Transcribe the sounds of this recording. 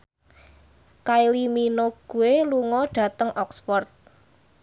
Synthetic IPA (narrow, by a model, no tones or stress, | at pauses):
kailiminoɡ̥ṳweluŋɔɖ̥ä̤t̪əŋʔɔksfɔrt̪̚